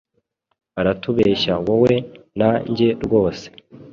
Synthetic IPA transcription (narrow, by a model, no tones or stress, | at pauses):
aɾatuβeːʃawowe̞naɲɟe̞ɾɡo̞ːse̥